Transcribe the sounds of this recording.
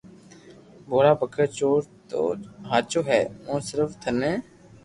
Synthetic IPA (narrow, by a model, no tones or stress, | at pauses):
bʱoːɽaːbəkʰəɾt͡ʃoːɾt̪o̰ːɦaːt͡ʃoːɦɛːmõːsɪɾəft̪ʰənẽː